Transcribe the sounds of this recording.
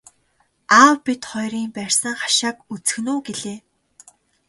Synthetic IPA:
aːwpit̪χɔjɾiːmpæːrʲsə̆ŋχḁʃaːkut͡sɘ̥̆xnuːɡeɮeː

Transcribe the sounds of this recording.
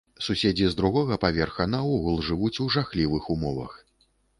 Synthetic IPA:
susʲed͡zʲizd̪ɾuɣɔɣɐpavʲɛrxɐnaɔɣulˠʐɨvut͡sʲuʐaxlʲivɨxumɔvɐ̰x

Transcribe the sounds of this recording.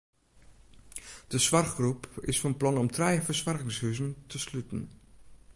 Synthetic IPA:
d̥əsʋɑrχɡrupɪ̰sfɔnplɑnɔmtʰrɛjvəɹsʋarɣɪŋshyzəntəslytən̩

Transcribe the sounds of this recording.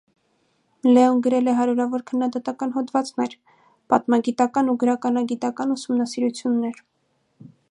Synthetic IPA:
lɛunɡəɾɛlɛɦɑɾjuɾɑvɔɾkʰənːɑd̪ɑt̪ɑkɑnɦɔd̪vɑt͡snɛɾ | pɑ̰t̪mɑɡit̪ɑkɑnuɡəɾɑkɑnɑɡit̪ɑkɑnusumnɑsiɾut͡sʰjunːɛɾ

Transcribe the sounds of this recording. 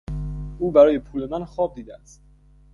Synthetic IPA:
ʔuːbæɾɒːje̞pʰuːle̞mænxɒːb̚d̪iːd̪eæst̪̚

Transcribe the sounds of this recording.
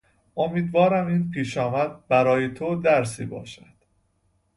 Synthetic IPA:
ʔo̞miːd̪vɒːɾæmiːnpʰiːʃɒːmæd̪̚bæɾɒːjet̪ʰod̪æɾsḭːbɒ̰ːʃæd̪̥

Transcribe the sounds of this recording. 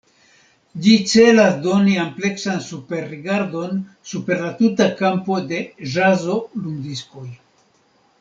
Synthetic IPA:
d͡ʒit͡se̞lasdo̞niample̞ksansupe̞ɾːiɡaɾdo̞n | supe̞ɾlatutakampo̞de̞ʒazo̞lund̪isko̞j

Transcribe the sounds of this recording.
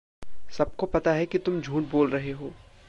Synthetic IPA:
sɐb̚kopɐt̪aɦɛkit̪ʊmd͡ʒʱuːʈ̚boːlɾɐɦeɦoː

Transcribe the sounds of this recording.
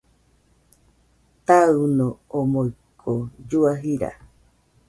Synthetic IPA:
t̪aɨnõomoɨkʰod͡ʒuaɦiɾa̰

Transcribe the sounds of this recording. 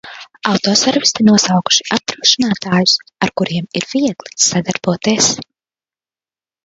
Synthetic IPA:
awt̪ɔːsɛɾvist̪inuɔsawku̥ʃi̥ʔap̚t̪ɾuːʃinaːt̪aːjʊsaɾkuɾiɛmiɾv̥iɛɡlˠi̥sad̪aɾb̥uɔt̪iɛs

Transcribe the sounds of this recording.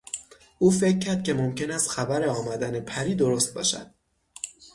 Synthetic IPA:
ʔuːfe̞cʰːæɾd̪̥̚cʰe̞mo̞mce̞næst̪xæbæɾeɒːmæd̪ænepʰæɾiːd̪o̞ɾost̪̚bɒ̰ːʃæ̰d̪̥

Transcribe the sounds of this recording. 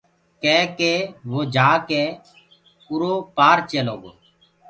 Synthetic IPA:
kɛːkeːʋoːd͡ʒaːkeː | ʊɾoːpaːɾt͡ʃeːloːɡoː

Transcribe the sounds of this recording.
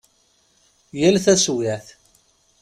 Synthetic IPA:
jælθæswæθ

